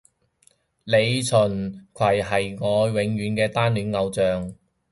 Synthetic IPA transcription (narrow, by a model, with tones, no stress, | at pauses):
le˨˧jt͡sʰɵ˨˩nkʰɐ˨˩jɦɐ˨˩jŋɔː˨˧wɪ˨˧˥ŋɥyː˨˧nkɛː˧t̪aː˥nlyː˨˥nŋɐ˨˧wt͡sœː˨ŋ